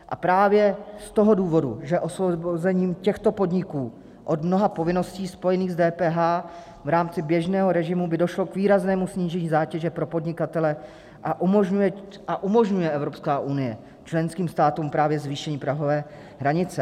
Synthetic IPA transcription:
ʔa̰pɾaːvjɛst̪o̞ɦo̞duːvo̞dṵʒɛʔo̞svobozɛɲiːmcɛxt̪o̞po̞dɲɪkuː | ʔo̞dmno̞ɦapo̞vɪno̞sciːspo̞jɛniːɣzdɛːpɛːɦaː | vɾaːmt͡sɪbjɛʒnɛːɦoɾɛʒɪmubɪdo̞ʃlokviːɾaznɛːmusɲiːʒɛɲiːzaːcɛʒɛpɾo̞po̞dɲɪkat̪ɛlɛ | ʔaʔumoʒɲujɛ | ʔaʔumo̞ʒɲujɛʔɛvɾo̞pskaːʔunɪjɛ | t͡ʃlɛnskiːmst̪aːt̪uːmpɾaːvjɛzviːʃɛɲiːpɾaɦo̞vɛː | ɦɾaɲɪt͡sɛ

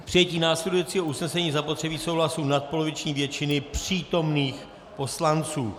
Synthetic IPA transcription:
pr̥ɪjɛciːnaːslɛdujɛt͡siːɦoʔusnɛsɛɲiːzapo̞t̪r̥ɛbiːso̞wɦlasuːnat̪̚polo̞vɪt͡ʃɲiːvjɛt͡ʃɪnɪpr̝̥iːt̪o̞mniːx | po̞slant͡suː

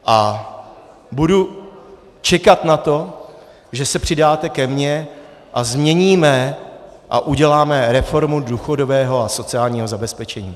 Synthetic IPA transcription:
ʔa | budu | t͡ʃɛkat̪nat̪o̞ | ʒɛsɛpr̝̥ɪdaːt̪ɛkɛmɲɛ | ʔazmɲɛɲiːmɛ | ʔa̰ʔuɟɛlaːmɛɾɛfo̞ɾmuduːxo̞do̞vɛːɦo̞aso̞t͡sɪaːlɲiːɦo̞zabɛspɛt͡ʃɛɲiː

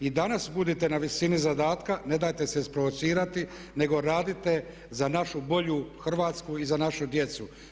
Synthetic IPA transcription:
id̪anasbud̪it̪e̞naʋisinizad̪aːt̪kane̞d̪aːjt̪e̞seispɾo̞ʋo̞t̪siːɾat̪i | ne̞ɡo̞ɾaːd̪it̪e̞ | zanaʃubo̞ʎuxr̩ʋaːt̪skuizanaʃud̪je̞t̪su

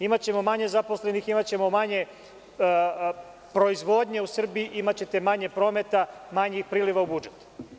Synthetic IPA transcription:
imat͡ɕe̞mo̞maɲe̞zaposle̞niximat͡ɕe̞mo̞maɲe̞ | pɾo̞izʋo̞ːd̪ɲe̞usr̩biʔimat͡ɕe̞t̪e̞maɲe̞pɾo̞ːme̞t̪amaɲixpɾiːliʋaubud͡ʒet̪

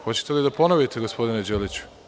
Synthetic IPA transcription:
xo̞t͡ɕe̥t̪e̞lid̪apo̞noʋjet̪eɡo̞spo̞d̪ined͡ʑelit͡ɕu̥

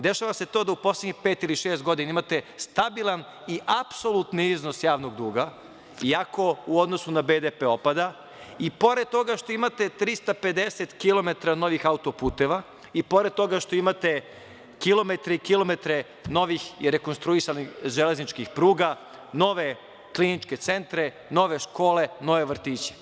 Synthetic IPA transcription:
d̪e̞ʃaʋase̞t̪o̞ːd̪auposlʲˠedɲixpeːt̪iliʃeːst̪̚ɡo̞d̪inaimat̪e̞st̪abilˠan | iʔapso̞lˠut̪niizno̞sjaːʋno̞ɡd̪uːɡa | iako̞uod̪nosunabed̪epeo̞pad̪a | ipo̞ɾed̪̚t̪o̞ɡaʃt̪o̞imat̪e̞t̪ɾist̪ape̞d̪e̞set̪kilˠo̞me̞t̪ɾano̞ʋixaut̪o̞puːt̪eʋa | ipo̞ɾe̞d̪̚t̪o̞ɡaʃt̪o̞imat̪e̞ | kilˠo̞me̞t̪ɾeikilˠo̞me̞t̪ɾe | no̞ʋixiɾekonst̪ɾuisanixʒeleznit͡ʃkixpɾuːɡa | no̞ʋe̞ | klinit͡ʃke̞t̪se̞nt̪ɾe | no̞ʋe̞ʃko̞ːle̞no̞ʋe̞ʋr̩t̪iːt͡ɕe̥

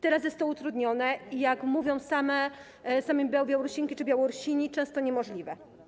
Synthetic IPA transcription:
t̪ɛɾas̬jɛst̪ɔut̪ɾud̪ɲɔnɛijakmuvʲjɔ̃w̃samɛ | samɘmʲbʲjabʲjawɔɾuɕiŋkʲit͡ʂɘbʲjawɔɾuɕiɲit͡ʂɛ̃w̃st̪ɔɲɛmɔʐlʲivɛ

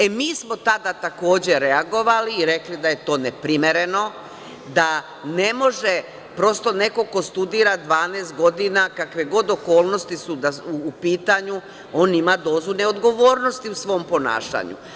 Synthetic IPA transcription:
emiːsmo̞t̪ad̪at̪ako̞ːd͡ʑe̞ɾeaɡo̞ʋaliːɾe̞klid̪aje̞t̪o̞ːnepɾime̞ɾe̞no̞ | d̪a | ne̞mo̞ʒe | pɾo̞st̪o̞ne̞ko̞ko̞st̪ud̪iːɾad̪ʋaːneːst̪̚ɡo̞d̪inakakʋeɡo̞d̪o̞ko̞ːlˠno̞st̪isud̪auːpiːt̪aɲu | o̞ːnimad̪o̞ːzuneo̞d̪ɡo̞ʋo̞ːɾno̞st̪iusʋo̞mpo̞na̰ːʃa̰ɲṵ

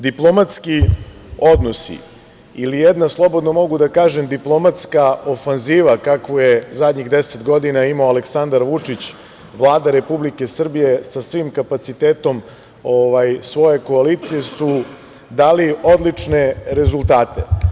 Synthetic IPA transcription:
d̪iplˠo̞mat̪skio̞d̪no̞sḭ | ilijed̪naslˠo̞bo̞d̪nomo̞ɡud̪akaːʒe̞md̪iplˠo̞mat̪skaofanziːʋakakʋojezad̪ɲiɣd̪eset̪ɡo̞d̪inaimaoaleksand̪aɾʋut͡ʂit͡ɕ | ʋlˠaːd̪aɾe̞publike̞sr̩bije̞sasʋimkapat̪sit̪eːt̪o̞m | oʋajsʋo̞je̞ko̞alit̪sije̞su | d̪aːlio̞d̪lit͡ʂne̞ɾe̞zulˠt̪aːt̪e

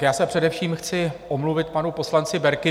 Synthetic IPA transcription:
jaːsɛpr̥ɛdɛfʃiːmxt͡sɪʔomluvɪt̪̚panupo̞slant͡sɪbɛɾkɪ

